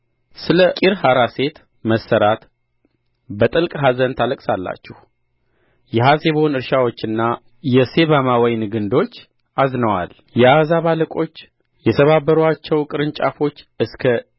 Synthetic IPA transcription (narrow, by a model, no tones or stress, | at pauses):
sɨləkʼiɾhaɾase̞t̪ | məsːəɾat̪ | bət̪ʼɨlkʼɦazənt̪ʰaləkʼsalːa̰t͡ʃːɛh | jɛɦaseβonɨɾʃawo̞t͡ʃːɨnːa | jɛse̞βamawɔjnɨɡɨnd̪o̞t͡ʃː | ʔaznəwa̰l | jɛazaβaləkʼo̞t͡ʃː | jɛt̪ʰəβabəɾuat͡ʃːɛwkʼɨɾɨnt͡ʃʼa̰fo̞t͡ʃː | ɨskʰə